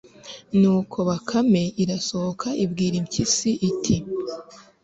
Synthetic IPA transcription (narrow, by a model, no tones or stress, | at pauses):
nuːkʰo̞βakʰame̞iɾasohokʰaʔibɡiːɾimkisiʔitʰi